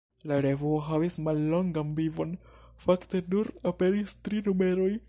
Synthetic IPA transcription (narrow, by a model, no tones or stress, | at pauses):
laɾevoɦavismalːo̞ŋɡanvivo̞n | fakte̞nuɾape̞ɾistɾinume̞ɾo̞j